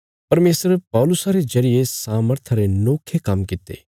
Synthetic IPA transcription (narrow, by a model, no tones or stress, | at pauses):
pɐɾmeːsɾpɔːlʊsaɾezɐɾɪjesaːməɾt̪ʰaɾenoːkʰːekɐmkɪt̪ḛː